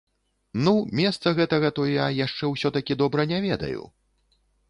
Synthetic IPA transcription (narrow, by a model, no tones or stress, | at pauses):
numʲɛst̪sɐɣɛt̪ɐɣɐt̪ɔjjajaʂt͡ʂɛwsʲɔt̪ɐkʲid̪ɔbɾɐnʲavʲɛd̪ɐ̰jṵ